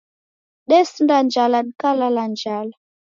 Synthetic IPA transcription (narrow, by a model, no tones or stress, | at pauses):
ɗɛsindand͡ʒalaɗikalaland͡ʒala